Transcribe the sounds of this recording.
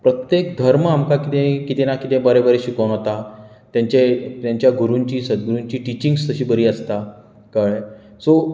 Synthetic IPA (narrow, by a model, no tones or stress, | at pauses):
pɾət̪jek̚d̪ʱəɾmamkakit̪ẽkit̪enakit̪ẽbəɾebəɾeɕikəwnɦot̪a | t̪jãɲt͡ɕet̪jaɲt͡ɕjaɡuɾuɲt͡ɕiːsəd̪ɡɾuɲt͡ɕiːʈit͡ɕiŋɡst̪əɕiːbəɾiːəst̪a | kaɭ | so